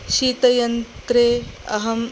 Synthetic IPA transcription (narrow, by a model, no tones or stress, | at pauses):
ʃiːt̪ɐjɐnt̪ɾeːɐ̰ɦɐm